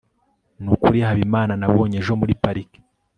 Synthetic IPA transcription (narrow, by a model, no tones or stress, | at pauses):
nukuɾiahaβimaːnanaβo̞ːɲe̞ʒo̞muɾipaɾike̥